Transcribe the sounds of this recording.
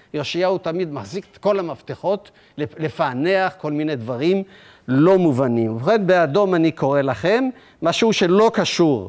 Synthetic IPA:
joʃiaut̪amid̪maχziket̪ko̞lamaft̪eχo̞t̪ | lelefane̞aχko̞lminejd̪vaʁim | lo̞muvanimuχenbeado̞maniko̞ʁe̞laχe̞mː | aʃeuʃe̞lo̞kaʃuʁ

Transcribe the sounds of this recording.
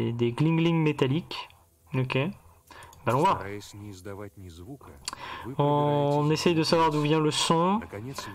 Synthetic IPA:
d̪eɡlĩŋɡliŋmet̪alik | okʲe | balɔ̃va | ɔ̃nesɛjd̪əsavwaʁd̪uvjɛ̃ləsɔ̃

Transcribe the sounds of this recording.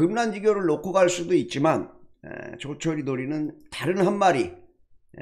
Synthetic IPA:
ɯmnand͡ʑiɡjoɾɯɭːokʰoɡaɭs͈udoit̚t͡ɕ͈imanḛt͡ɕot͡ɕʰʌɾinoɾinɯntaɾɯnɦanmaɾi

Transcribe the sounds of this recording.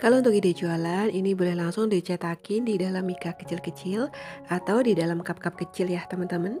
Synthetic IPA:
kalaunt̪ʊk̚idad͡ʒualaninibolɛhlaŋsʊŋdit͡ʃat̪akɪndidalamikakə̥t͡ʃɪlkət͡ʃɪlʔat̪awdidalamkap̚kap̚kət͡ʃɪljaht̪amant̪əman

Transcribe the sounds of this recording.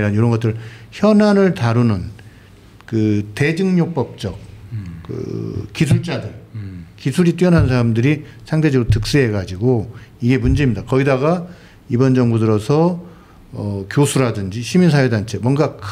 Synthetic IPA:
ɾanjoɾʌnŋɡʌt͈ɯɾɯɭçjʌnanɯɭtaɾunɯn | kɯte̞d͡ʑɯŋɲok̚p͈ʌp̚t͡ɕ͈ʌk͈̚ːɯ̰kisʰuɭt͡ɕ͈adɯɭkisʰuɾit͈ɥiʌnɦannsʰaɾamdɯɾisʰaŋtded͡ʑʌɾotɯk̚s͈eɦeɡad͡ʑiɡoiɡe̞mund͡ʑeimɲidakʌidaɡa | ibʌnd͡ʑʌŋbudɯɾʌsʰʌ | ʌkjosʰuɾadɯnd͡ʑiɕʰiminsʰajedant͡ɕʰe̞mwʌnɡak

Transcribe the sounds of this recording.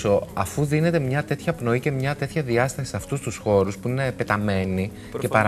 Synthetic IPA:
o̞ɐfuðine̞t̪e̞mɲɐt̪e̞t̪çɐpno̞ice̞mɲɐt̪e̞t̪çɐðiɐst̪ɐsi̥sɐft̪ust̪usxo̞ɾuspuine̞pe̞t̪ɐme̞ni | ce̞pɐɾ

